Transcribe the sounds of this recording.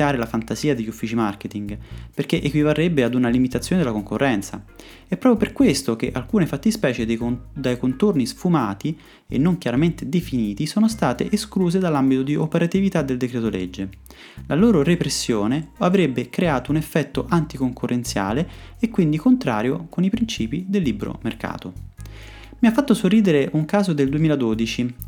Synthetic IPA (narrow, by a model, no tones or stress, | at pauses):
aːɾelafant̪aziːad̪eʎːufːiːt͡ʃimarket̪iŋɡperk̟eʔekwivarːebːead̪unalimit̪at̪sːjoːned̪elakoŋkorːʔɛnt̪sa̰ | ɛpːɾɔːpjoperkwest̪ok̟eʔalkuːnefat̪ːispɛːt͡ʃed̪d̪ajkont̪ornisfumaːt̪i | ḛnːoŋkjaɾament̪ed̪efiniːt̪isoːnost̪aːt̪ḛʔeskluːzed̪alːambit̪od̪iopeɾat̪ivit̪ad̪ːeld̪ekɾɛːt̪oled͡ʒːe | lʔaloːɾorepɾesːjoːneavɾebːekɾeaːt̪ounefːɛt̪ːoʔant̪ikoŋkurːʔent̪sja̰ːleːkːwind̪ikont̪ɾa̰ːɾjokonipɾint͡ʃiːpid̪elːibɾo̰merka̰ːt̪o | miafːat̪ːosorːiːd̪eɾeʔuŋkaːzod̪eld̪uemiːlad̪oːd̪it͡ʃi